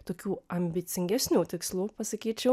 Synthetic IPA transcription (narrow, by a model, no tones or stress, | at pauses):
t̪oːkʲuːɐmʲbʲɪt̪sʲɪŋʲɡʲæsʲnʲuːt̪ʲɪkslˠupɐsɐkʲiːt͡ʃʲɛʊ